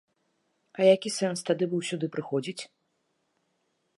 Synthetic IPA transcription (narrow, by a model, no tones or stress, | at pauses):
ɐjakʲisɛnst̪ad̪ɨbɨwsʲud̪ɨpɾɨxɔd͡zʲit͡sʲ